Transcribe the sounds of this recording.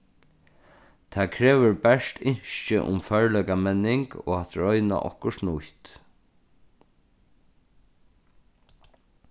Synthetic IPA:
t̪ʰaːkʰɾeːʋʏɹbɛʂt̪ɪɲʃt͡ʃɪ̰ʔʊ̰mfœɹlœkamɛnːɪŋkɔ̰ːat̪ɾɔʏna̰ʔɔ̰hkʊʂnʊht̪

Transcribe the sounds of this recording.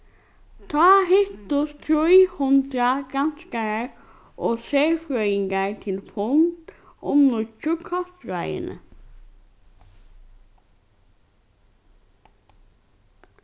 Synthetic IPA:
t̪ʰaːɦɪht̪ʊst̪ʰɾʊjhʊnt̪ɾaɡanskaɾ | ɔɣseːfɾœɥɪŋkaɹt̪ʰɪlfʊnt̪ | ɔmnʊt͡ʃʊkʰɔt̪ɾa̰jɪ̰nə̰

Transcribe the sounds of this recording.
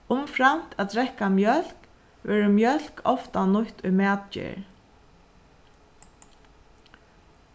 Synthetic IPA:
ʊmfɾam̥t̪æt̪ɾɛhkamjœl̥k | ʋɛːɹəmjœl̥kʰɔft̪anʊht̪ʊjmæːt̪t͡ʃɪ̰ɹ

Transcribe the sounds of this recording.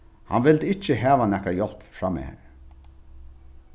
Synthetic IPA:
ha̰nʋɪld̪ɪt͡ʃːəɦæːʋanɛkajɔl̥pfɹamɪ̰hæ̰ːɾ

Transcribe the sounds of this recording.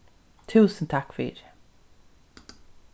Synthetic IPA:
t̪ʰʉ̟ːsənt̪ʰakːfœɾɪ̰ːɾ

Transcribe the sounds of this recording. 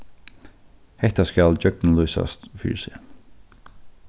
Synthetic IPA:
hɛht̪askæld͡ʒœkn̩lujsa̰st̪fḭːɹsɪ

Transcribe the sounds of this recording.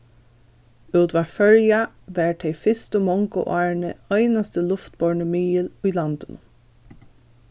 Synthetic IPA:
ʉːt̪ʋafœɹja | ʋæːɹt̪ʰɛɪfɪst̪əmɔŋkə̰ʔɑːɹɳəœɪnast̪əlʊft̪bɔɹɳəmiːəlʊjlant̪ənʊ̰m

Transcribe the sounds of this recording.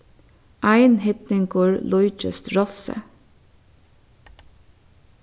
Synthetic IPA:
ʔæɪnhɪt̪nɪŋkɔːɹlɔʏt͡ʃə̰st̪ɹɔsə̰

